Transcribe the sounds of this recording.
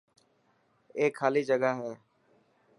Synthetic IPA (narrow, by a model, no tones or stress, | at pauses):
eːkʰːaːliːd͡ʒəɠaːɦẽː